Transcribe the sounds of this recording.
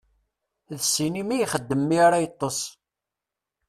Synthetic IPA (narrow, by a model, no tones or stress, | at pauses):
ðsinimæjχəd̪ːəmːiaɾajət̪ˤːos